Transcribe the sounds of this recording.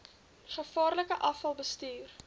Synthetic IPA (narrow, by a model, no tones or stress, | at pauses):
χəfɑːrləkəʔɐfɐlˠbəstyːr